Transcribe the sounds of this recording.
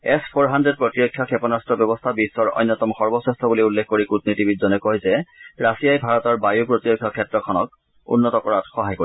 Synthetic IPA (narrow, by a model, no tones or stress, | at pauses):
ɛspʰoɹɦandɹed̚pɹotiɹɔkʰːjɔkʰɛpɔnastɹɔbjɔbɔst̪ʰabisːɔɹɔ̰jnːɔtɔmxɔɹbɔsestʰɔbuliulːekʰkoɹikut̚nitibitzɔnɛkɔɦjzɛɹasijajbʱaɹɔtɔɹbajupɹotiɹɔkʰːjɔkʰɛtɹɔkʰɔnɔk̚ | ṵnːɔtɔkɔɹatxɔɦajkoi